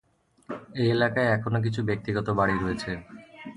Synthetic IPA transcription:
eelakaeɛkʰonok̬it͡ɕʰubek̚t̪iɡɔt̪obaɽiɾoet͡ɕʰe

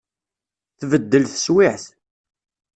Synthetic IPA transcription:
θvəd̪ːəlθə̥swɪħθ

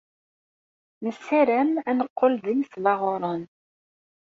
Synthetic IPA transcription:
məsːæɾæmænəqːolðimslɑʁoɾˤən

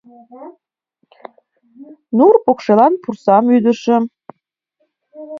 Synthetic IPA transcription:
nurpokʃelɑnpursɑmyd̪ə̆ʃə̆

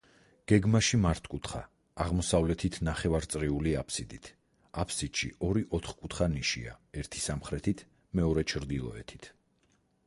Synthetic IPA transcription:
ɡ̥ɛɡmaʃimaɾt̪ʰkʼut̪ʰχa | aʁmɔsavlɛt̪ʰit̪ʰnaχɛvaɾt̪sʼɾiuliapʰsid̪it̪ʰ | apʰsid̪̥ʃiɔɾiʔɔt̪ʰχkʼut̪ʰχaniʃḭa̰ɛɾt̪ʰi̥samχɾɛt̪ʰit̪ʰ | mɛɔɾɛt͡ʃʰɾd̪ilˠɔ̰ɛ̰t̪ʰi̥t̪ʰ

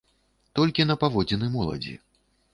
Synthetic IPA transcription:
t̪ɔlʲkʲinɐpavɔd͡zʲinɨmɔlˠɐ̰d͡zʲḭ

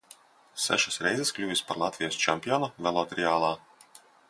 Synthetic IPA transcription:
sæ̰ʃasɾɛjzɛsklʲuːvʲispaɾlˠat̪vʲijɔst͡ʃɛmʲpʲiɔnɔvʲɛlˠɔt̪ɾɛaːlˠaː

